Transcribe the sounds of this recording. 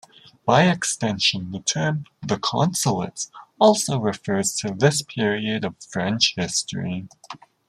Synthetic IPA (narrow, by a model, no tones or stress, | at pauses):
b̥aɪɨkstɛ̃nʃɨ̃nðɨtʰɜ̃˞mðəkʰɑ̰̃nsəl̩ˠə̰tsɔlˠsoʊɹɨfɜ˞z̥tʰɨðɪspʰɪɹiɨɾʌv̥fɹɛ̃nt͡ʃhɪstəɹi